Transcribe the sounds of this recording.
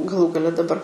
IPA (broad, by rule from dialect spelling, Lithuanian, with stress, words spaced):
ɡɐˈlˠuː ɡɐˈlʲɛ dɐˈbɐr